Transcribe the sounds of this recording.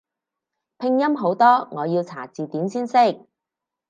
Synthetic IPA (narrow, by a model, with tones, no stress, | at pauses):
pʰɪ˧ŋjɐ˥mɦo˨˥wt̪ɔː˥ŋɔː˨˧jiː˧wt͡sʰa̰ː˨˩t͡siː˨t̪iː˨˥msiː˥nsɪ˥k̚